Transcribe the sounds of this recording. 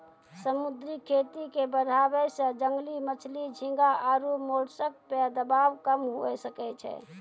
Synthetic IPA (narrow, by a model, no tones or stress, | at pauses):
səmud̪ɾikʰet̪ikebəɾʱabɛsə̃d͡ʒəŋɡlimət͡ʃʰlid͡ʒʱĩŋɡaʔaɾumoɽsək̚ped̪əbawkəmɦuɛsəkɛt͡ʃʰɛ̰